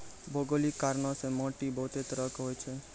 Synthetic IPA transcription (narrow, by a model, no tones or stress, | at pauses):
bʱoɡolikːaɾnɔ̃semoʈibɔɦʊt̪et̪ɾəkɦojt͡ʃʰe